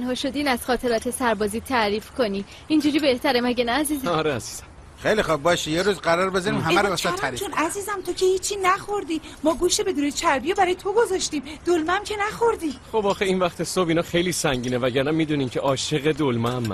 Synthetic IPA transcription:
nhɒːʃo̞d̪iːnæz̥xɒːt̪ʰe̞ɾɒːt̪ʰe̞sæɾbɒːziːt̪ʰæɾiːfkʰo̞niː | ind͡ʒuɾiːbe̞ht̪ʰæɾemæɟenæːziːzɒɾeæziːz̥æm | xejlixub̚bɒːʃijeɾuːzɢæɾɒːɾbe̞zɒɾimhææɾssɒæɾit͡ʃʰonæziːzæmt̪ʰocʰehiːt͡ʃʰːiːnæxo̞ɾd̪iːmɒːɡuːʃt̪ebe̞d̪uːnet͡ʃʰæɾbijebæɾɒːjet̪ʰo̞ɡozɒːʃt̪iːmd̪̥olmæmcʰe̞næxo̞ɾd̪ixobɒːxeinvæxt̪ʰesobiːnɒːxejliːsæŋɟiːnevæɟæɾnæmːiːd̪uniːmcʰeʔɒːʃe̞ɣe̞d̪olmɛmːæ̰

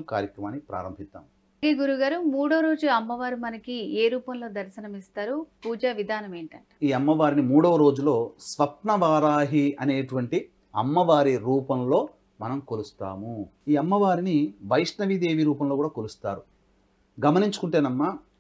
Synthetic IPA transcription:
ka̰ːɾjɐkɾɐmaːnːipɾa̰ːɾɐmbʱint̪ːa̰ːm | eːɡuɾuɡaːɾumuːɽoːɾo̞ːd͡ʒuɐmːɐʋaːɾimɐnɐkieːɾuːpɐmlo̞ːd̪ɐɾʃɐnɐmist̪aːɾupuːd͡ʒaːʋid̪ʱaːnɐme̞ːɳʈɐɳʈḁiːɐmːɐʋaːɾinimuːɽoːɾo̞ːd͡ʒulo̞ːsʋɐp̪̚nɐʋaːɾaːɦiɐne̞ːʈuʋɐɳʈi | ɐ̰mːɐʋaːɾiɾuːpɐmlo̞ː | mɐnɐmkolust̪a̰ːmuiːɐmːɐʋaːɾiniʋɐjʂnɐʋid̪eːʋiɾuːpɐmlokuːɽaːkolust̪a̰ːɾu | ɡɐmɐniɲt͡ʃu̥kuɳʈe̞ːnɐmːa

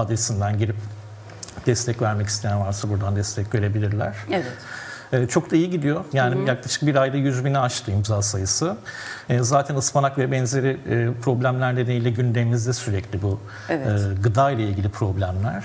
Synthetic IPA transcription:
ad̪ɾsind̪ænɟiɾip | d̪̥ɛst̪ʰɛcvæɾmɛci̥st̪ejænvˠaɾsabuɾd̪and̪ɛst̪ʰɛcve̞ɾe̞bilʲiɾlʲæ̰ɾ̥vɛː | t͡ʃʰo̞k̚d̪ʰaijiɟid̪ijo̞jaːnijaklˠaʃɯ̥k̚biɾajd̪ajyzbiniaʃt̪ʰɯjɯmzasajɯsɯː | zaːt̪ʰɛnɯspanakvɛbɛnzeɾɪːpʰɾo̞blʲæmlʲæɾd̪ed̪eilʲɛɟynd̪emimizd̪ɛsyɾɛclʲibu | ɛɯːɡɯd̪ajlˠailʲɡɟilʲipʰɾo̞blʲæmlʲæɾ̥

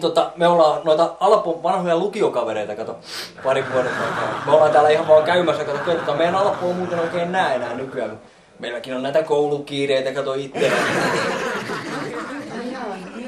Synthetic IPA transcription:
t̪ot̪ːɑmeolːɑːnoit̪ɑɑlpoʋɑnhojɑlukiokɑʋeɾeit̪ɑkɑt̪o | pɑriʋʋuonenɑikɑ̰ːmeolːˑɑːt̪æːlːˑæihɑʋʋɑːŋkæymæsːækɑt̪okeit̪ot̪ːɑmeijænɑlpˑoːmuːt̪enoikeːnenæːenæːnykyæmmu | meilːækinonæit̪ækoulukiːreit̪ækɑt̪oit̪ːe

